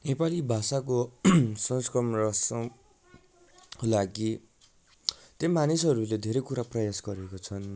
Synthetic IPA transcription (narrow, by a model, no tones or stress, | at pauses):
nepalibʱasakosʌ̃ŋskrʌmrʌsʌ | kolaɡi | t̪ʌmanisʌɾuled̪ʱeɾʌjkuɾaprʌjasɡʌɾekot͡sʰʌn